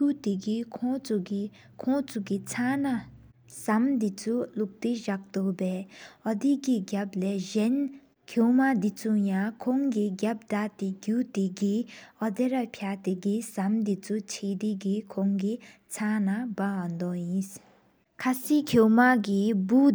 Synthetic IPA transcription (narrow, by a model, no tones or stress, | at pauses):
ut̪iɡikʰɔt͡su | kʰɔŋt͡sʰukit͡sʰana | samd̪it͡sʰuluk̚t̪eʑak̚t̪oʔpɛːʔɔd̪ikiɡap̚lɛːʑɛn | kʰomad̪it͡sʰujaŋkʰoŋkiɡap̚daʔt̪eɡuːt̪eɡiʔɔd̪eɾapʰjat̪eɡisamd̪it͡sʰut͡ɕʰeːd̪iɡikʰoŋki | t͡sʰanabawand̪ɔjins | kʰasiːkʰomaɡibu